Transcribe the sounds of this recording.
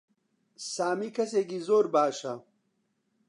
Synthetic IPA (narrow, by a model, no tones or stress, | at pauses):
saːmikʰɐseːɡizoːɾbaːʂɐ